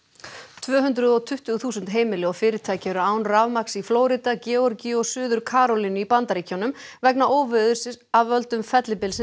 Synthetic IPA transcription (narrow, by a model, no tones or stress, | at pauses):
t̪ʰvœːɦʏnt̪ɾʏðɔt̪ʰʏht̪ʏθuːsʏnt̪ɦeːjmɪlɪɔfɪːɾɪɾt̪ʰaːjcɛɾʏaːwnravmaksifloːwɾit̪acɛːɔɾciɔɣsʏːðʏɾkʰaːɾɔlinʏipant̪aɾiːcʰawnʏmvɛknaʔoːwvɪðʏ̥sɪavœlt̪ʏmfɛt̪lɪpɪls